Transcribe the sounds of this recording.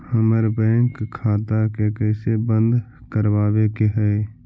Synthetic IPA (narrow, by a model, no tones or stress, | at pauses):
həməɾbɛ̃ːŋkʰːaːt̪akekɛːsebə̃nd̪ | kəɾwaːbekeɦɛe